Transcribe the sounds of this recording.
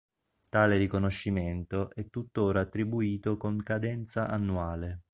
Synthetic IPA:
t̪aːleɾikonoʃːiment̪oʔɛt̪ːut̪ːoːɾaːt̪ːɾibuiːt̪okoŋkad̪ɛnt̪saʔanːuaːle

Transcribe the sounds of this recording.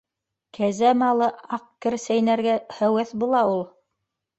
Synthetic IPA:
kʰæzæmɑlˠɤɑqkɘ̆ɾsæjnæɾɡæhæwæθbulˠɑulˠ

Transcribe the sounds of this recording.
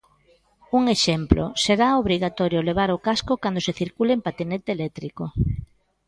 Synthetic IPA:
uŋeʃɛmplʔo̰seɾaoβɾiɣat̪ɔɾjoleβ̞aɾokaskʊkand̪oseθiɾkulempat̪inɛt̪eːlɛt̪ɾiko

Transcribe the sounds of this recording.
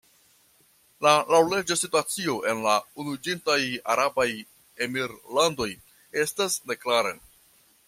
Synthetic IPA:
lalawle̞d͡ʒasituat͡sio̞ʔe̞nlaunud͡ʒintaja̰ɾabaj | e̞miɾlando̞j | e̞stasne̞klaɾḛ

